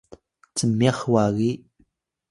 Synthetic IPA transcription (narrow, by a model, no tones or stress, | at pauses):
t͡səmːiaχwaɣi